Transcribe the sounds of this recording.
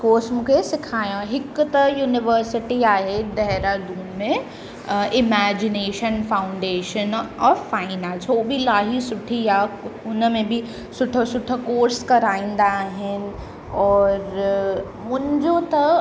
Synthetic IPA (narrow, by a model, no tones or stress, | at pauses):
koːɾsmũːkʰesɪkʰaːjãɦɪkt̪ɐjuːnɪʋəɾsɪʈiaːɦed̪ɐɦɾad̪uːmmẽ | ɪmæːd͡ʑɪneːʃənfaːʊ̃ɳɖeːʃənɔːfaːɪnãːlsoːbʱilaːɦisʊʈʰiaːʊnəmẽbʱɪ | sʊʈʰəsʊʈʰəkoːɾskɐɾaːĩːn̆d̪aːɦɪnɪ̆ | ɔːɾ | mʊ̃ɦɪ̃ɲd͡ʑot̪ɐ